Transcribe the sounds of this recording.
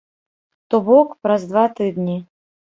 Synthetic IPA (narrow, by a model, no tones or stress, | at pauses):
t̪ubɔkpɾɐzd̪vat̪ɨd̪nʲi